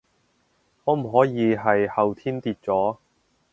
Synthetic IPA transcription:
ŋɔː˨˧m̩˨˩ɦɔː˨˥jiː˨˧ɦɐ˨jhɐ˨wt̪ʰiː˥nt̪iː˧t̚t͡sɔː˨˥

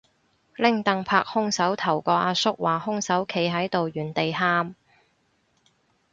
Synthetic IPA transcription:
lɪ˥ŋt̪ɐ˧ŋpʰaː˧k̚hʊ˥ŋsɐ˨˥wt̪ʰɐ˨˩wkɔː˧ʔaː˧sʊ˥k̚waː˨˩hʊ˥ŋsɐ˨˥wkʰe˨˧jɦɐ˨˥jt̪o˨wjyː˨˩nt̪e˨jɦaː˥m

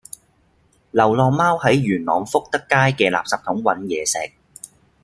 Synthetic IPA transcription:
lɐ˨˩wlɔː˨˧ŋmaː˥whɐ˨˥jɥyː˨˩nlɔ̰ː˨ŋfʊ˥k̚t̪ɐ˥kːaː˥jkɛː˧laː˨p̚sɐː˨p̚t̪ʰʊ˨˥ŋwɐ˨˥njɛː˨˧sɛː˨˩k̚

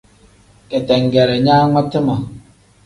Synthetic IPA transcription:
ke˨tɛ˨ŋ˨ɡɛ˨ɾe˨ɲa˦ŋa˦te˦ma˨

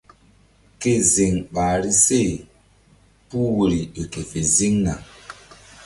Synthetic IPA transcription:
ke˦˨zi˨ŋɓa˨ɾi˦se˦˨ | pu˦wu˨ɾi˨ɗi˨ke˨fe˨zi˦ŋna̰˨

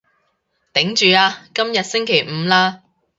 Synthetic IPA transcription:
t̪ɪ˨˥ŋt͡ʃyː˨aː˧kɐ˥mjɐ˨t̚sɪ˥ŋkʰe˨˩jm̩˨˧laː˥

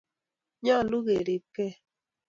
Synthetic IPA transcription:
ɲɔ˦˨lu˦ɣe˨ɾi˨ke˦˨

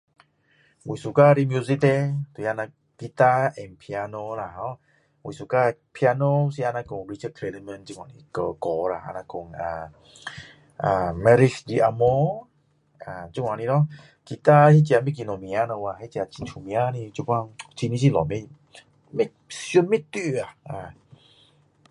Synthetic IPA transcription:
wi˨su˨˧ka˧ɾi˧mju˧zi˦t̪e˧t̪wa˧na˧ | ki˧t̪a˧ʔɛ˧˨mpʰi˧a˧no˧la˨ɦɔ˧˦ | wḭ˨su˧˨ka˧pʰi˧a˧no˧si˧˦a˧nã˧ko˧ŋɾi˧t͡ʃə˦kʰle˧lə˧mə˧nt͡ɕi˧˦wa˨ni˧kə˧kɔ˧la˨ʔa̰˧˨nã˧ko˧˨ŋa˨˩ | ʔa˨˩mɛ˧ɾi˧kdi˧ʔa˧mo˧ | ʔaː˨t͡ɕu˧˦wa˨ni˧nɔ˦ | ki˧t̪a˦˧hi˦˧t͡ɕi˧a˧me˦k̬i˧no˧mi˧a˧na˧wa˧˨hi˦˨t͡ɕi˧a˧t͡ɕi˧ntʰu˧˨mi˧a˧ni˧t͡ɕu˧˨pa˧˨ŋt͡ɕʰi˧ni˦˧s̬i˧˨lɔ˨˦me˦ | me˦ | si˧u˧nme˦t̪i˧a˨ʔa˧˨

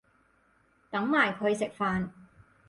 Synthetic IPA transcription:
t̪ɐ˨˥ŋmaː˨˩jkʰɵ˨˧ɥsɪ˨k̚faː˨n

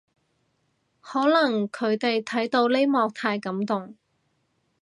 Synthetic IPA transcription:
hɔː˨˥lɐ˨˩ŋkʰɵ˨˧ɥt̪e˨jt̪ʰɐ˨˥jt̪o˧wle˥jmɔː˧k̚t̪ʰaː˧jkɐ˨˥mt̪ʊ˨ŋ

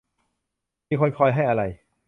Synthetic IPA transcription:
miː˧kʰo˧nkʰɔː˧jɦa˥˩jʔa˧ɾa˧j

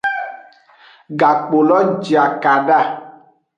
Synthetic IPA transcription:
ɡa˨k͡po˨lɔ˦d͡ʒi˨a˨ka˨ɖa˦˨

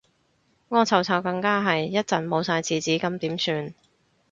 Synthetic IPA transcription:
ŋɔː˧t͡sʰɐ˨wt͡sʰɐ˨˩wkɐ˧ŋkaː˥ɦɐ˨jjɐ˥t̚t͡sɐ˨˩nmo˨˧wsaː˧jt͡sʰiː˨t͡siː˨˥kɐ˨˧mt̪iː˨˥msyː˧n

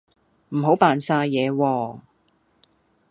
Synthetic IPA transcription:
m̩˨˩ɦo˨˥wpaː˨nsaː˧jɛː˨˧wɔː˧

